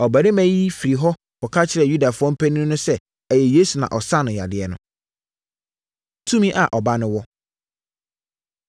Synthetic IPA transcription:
ɔ˨bæ˨ɾɪ˦mæ̃˦ji˦fi˨ɾi˨ɦɔ˦ | pɔ˨kʰa˦t͡ɕʰɪ˨ɾɛ˨ju˦da˨fʊ˦ɔ̃˦m̩˦pʰæ˦nĩ˦nʊ̃˦sɛ˦ | æ˨jɛ˨jeː˦su˨nã̰˨ʔɔ˨sa˦nʊ̃˨ja̰˨dɪ˨ɛ˨nʊ̃˦ | tʰũ˦mĩ˦ʔa˨ʔɔ˨ba˦nʊ̃˦wɔ˦

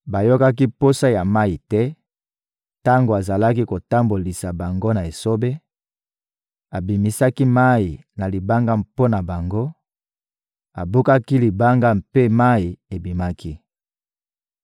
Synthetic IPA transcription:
ba˨jo˦ka˦k̬i˦po˦sa˦ja˨ma˦i˨tɛ˦ | ta˦ŋɡo˨a˨za˨la˦ki˦ko˨ta˦mbo˨li˨sa˨ba˨ŋɡo˦na˨e˨so˦be˦ | a˨bi˨mi˦sa˦ki˦ma˦i˨ | na˨li˨ba˦ŋɡa˦mpo˦na˨ba˨ŋɡo˦ | a˨bo˦ka˦ki˦li˨ba˦ŋɡa˦mpe˦ma˦i˨e˨bi˨ma˦kʰi˦

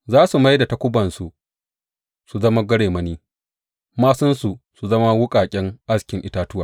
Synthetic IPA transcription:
zaː˦su˨ma˦jda˨tɐ˦kʷʊ˦bɐ˨nsu˨ | su˨zɐ˦ma˦ɡʷɐ˦ɽeː˨mɐ˦niː˦ | maː˦sʊ˦nsu˨su˨zɐ˦ma˦wʊ˦kʼaː˨kʲʼɛ˦ŋʔa˦skʲɪ˨ŋʔɪ˦taː˦tʊ˦waː˨

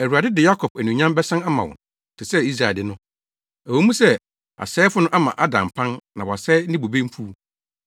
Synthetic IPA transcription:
æ˨wu˨a˨dɪ˦dɪ˨ja˦kʰɔ˨pæ˨nũ˨ɲã˦mbɛ˦sã˦na˦mã˨wɔ̰̃˨ | tʰɪ˨sɛ˦i˦s̬ɾa˨dɪ˦nʊ̃˦ | æ˨wo˨˦mũ˦sɛ˦ | a̰˨sɛː˦fʊ˦nʊ̃˦ʔa˦mã̰˨ʔa˦dã˨m˨pʰã˦nnã˨wɔ˨sɛ˦nĩ˦bo˨bẽ˦m̩˦fʰu˦

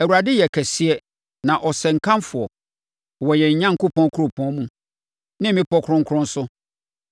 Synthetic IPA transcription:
æ˨wu˨ɾa˨dɪ˦jɛ˨kʰæ˨si˦ɛ˦ | nã˨ʔɔ˨sɛ˨ŋ̩˨kʰã˦mfʊ˨ɔ˨ | wɔ˨jɛ˨ɲ˨ɲã˦ŋ̩˨kʊ˦pʰɔ̃˦kʰɾʊ˨pʰɔ̃˦mũ˦ | nɪ̃˦mɪ̃˦pʰɔ˦kʰʊ˦ɾʊ̃˦ŋ˦kʰʊ˦ɾʊ̃˦n̩˦sʊ˦

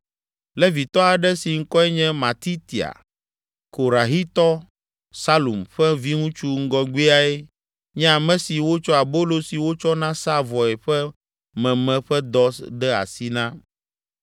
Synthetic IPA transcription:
lɛ˦vi˨t̪ɔ˦a˨ɖɛ˦si˨ŋ̩˦kɔ˦ɛ˦ɲɛ̃˦mã˨t̪i˦t̪i˨a̰˨ | ko˨ɾa˨ɦi˦t̪ɔ˦ | sa˦lu˨mɸɛ˦vi˦ŋũ˦t͡ʃu˦ŋ̩˦ɡɔ˦ɡ͡bi˦a˨e˦ | ɲɛ̃˦a˨mɛ̃˨si˨wo˦t͡ʃɔ˦a˨bo˦lo˦si˨wo˦t͡ʃɔ˦nã˦sa˦vɔ˨e˨ɸɛ˦ | mɛ̃˨mɛ̃˨ɸɛ˦d̪ɔ˦sɖɛ˦a̰˨si˦nã˦

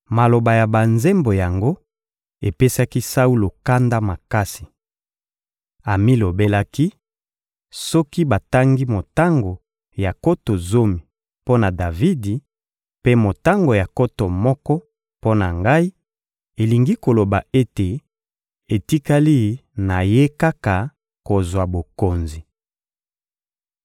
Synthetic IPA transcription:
ma˨lo˨ba˨ja˨ba˨nze˦mbo˨ja˨ŋɡo˦ | e˨pe˦sa˦ki˦sa˦u˦lo˨ka˦nda˦ma˨ka˦si̥˨ | a˨mi˦lo˨be˦la˦ki˦ | sɔ˦ki˦ba˨ta˦ŋɡi˦mo˨ta˦ŋɡo˨ | ja˨ko˦to˨zo˦mi˨ | po˦na˨da˨vi˦di˨ | pe˦mo˨ta˦ŋɡo˨ja˨ko˦to˨mɔ˦kɔ˦ | po˦na˨ŋɡa˦i˦ | e˨li˨ŋɡi˦ko˨lo˨ba˨e˦te˨ | e˨ti˦ka˦li˦˨˦na˨je˦ka˦ka˨ | ko˨zwa˨bo˨ko˨nzi˨

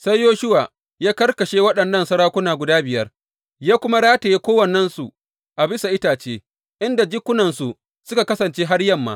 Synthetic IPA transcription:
sa˦jːoː˦ʃʊ˦waː˨ | jaː˦kɐ˦rkɐ˨ʃeː˦wɐ˦ɗɐ˨nːɐ˦˨nsɐ˦ɾaː˦kʷʊ˦naː˨ɡʷʊ˨daː˦bɪ˨jɐ˦r | jaː˦kʷʊ˦ma˦ɽaː˦ta˨je˦kʷoː˦wɐ˨nɛ˦nsu˨ | ʔa˨bɪ˦sa˨ʔɪ˦taː˨t͡ʃeː˦ | ʔɪ˦nda˨d͡ʒɪ˦kʷːʊ˦nɐ˨nsu˨ | sʊ˦ka˨kɐ˦sɐ˨nt͡ʃeː˦ɦa˦rjɐ˦mːa̰ː˦

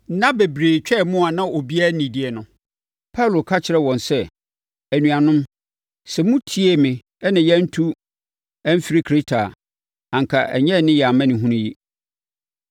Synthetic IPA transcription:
nã˦be˨bɾeː˨t͡ɕᶣɛ˦˨mʊ̃˦a˨nã˦o˨bi˦a˦nĩ˨di˨ɛ˨nʊ̃˨ | pʰa˦lo˨kʰa˦t͡ɕʰɪ˨ɾɛ˦wɔ̃˨nsɛ˦ | æ˨nũ˨a˨nʊ̃˦m | sɛ˨mũ˦tʰi˦e˦mɪ̃˨ | ɛ˦nã˨jɛ˦n̩˦tʰu˦ | æ˦m̩˦fi˦ɾi˦kʰɾe˦tʰa˨ | ã˨ŋkʰa˨ʔɛ̰˨ɲɛ˦˨nɪ̃˦jɛ˨a˨mã˦nɪ̃˨ɦũ˦nũ˦ji˦

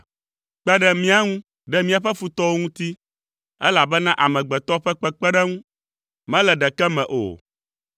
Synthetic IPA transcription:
k͡pɛ˦ɖɛ˦mĩ˦a˦ŋũ˦ | ɖɛ˦mĩ˦a˨ɸɛ˦fu˨t̪ɔ˦wo˦ŋũ˦t̪i˦ | ɛ˦la˨bɛ˦nã˦ʔa˨mɛ̃˨ɡ͡bɛ˨t̪ɔ˦ɸɛ˦k͡pɛ˦k͡pɛ˦ɖɛ˦ŋũ˦ | mɛ̃˦lɛ˨ɖɛ˨kɛ˦mɛ̰̃˨ʔo̰˨

